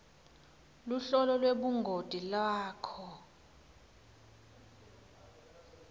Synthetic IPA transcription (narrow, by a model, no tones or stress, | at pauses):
luɬɔlɔlweɓuŋɡʱod̥ʼʱilaːkʰɔ